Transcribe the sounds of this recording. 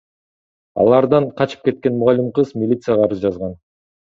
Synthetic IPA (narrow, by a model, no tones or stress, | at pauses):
ɑ̰lˠɑɾd̪ɑɴqʰɑt͡ʃɯ̥p̚ke̞t̪̚ke̞nmʊʁɑlʲːimqɯzmʲilʲit̪sɨjaʁɑːɾɯzd͡ʒɑzʁɑn